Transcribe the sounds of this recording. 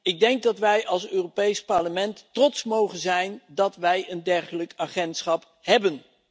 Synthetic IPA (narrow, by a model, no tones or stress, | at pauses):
ɪɡ̚dɛŋɡ̚dɑtʋɛjʔɑlˠsøːropejspɑɹləmɛntːrɔtsmowχənzɛjndɑtʋɛjəndɛɹχələkaːχɛntsχɑp | ɦɛbən